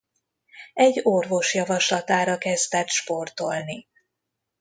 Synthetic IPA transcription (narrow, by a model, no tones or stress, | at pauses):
ɛɟːorvo̞ʃjɒvɒʃlɒt̪aːɾɒkɛzd̪ɛt̪ʃpo̞rt̪o̞lni